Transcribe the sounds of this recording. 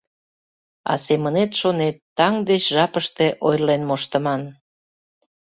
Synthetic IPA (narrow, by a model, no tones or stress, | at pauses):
ɑ̰semənet̪ʃonet̪ːɑŋd̪et͡ɕʒɑpəʃt̪eʔojlenmoʃt̪əmɑn